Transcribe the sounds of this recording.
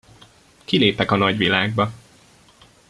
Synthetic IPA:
kileːpɛkɒnɒɟʋilaːɡ̚bɒ

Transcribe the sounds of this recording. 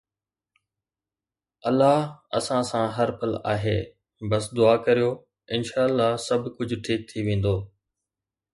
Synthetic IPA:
ɐlːaːɦɐ̰sãsãɦɐɾpəla̰ːɦḛː | bɐsd̪ʊaːkɐɾijoː | ɪnʃaːəlːaːɦsɐbʱkʊd͡ʑʱʈʰiːk̚t̪ʰiʋẽːn̆d̪oː

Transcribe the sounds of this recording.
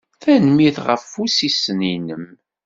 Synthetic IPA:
θænmiθʁəfːusisəninəm

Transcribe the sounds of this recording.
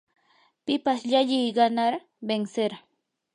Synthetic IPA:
pɪpasʎaʎɪjɢɑnaɾ | benseɾ

